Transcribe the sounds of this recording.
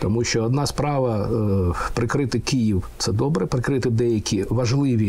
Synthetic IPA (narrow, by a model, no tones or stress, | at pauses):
t̪ɔmuʃʲt͡ʃɔɔd̪nɑspɾɑʋɐ | pɾɪkɾɪt̪ɪkɪjiwt̪sɛd̪ɔbɾɛpɾɪkɾɪt̪ɪd̪ɛjɐkʲiʋɐʒlˠɪʋʲi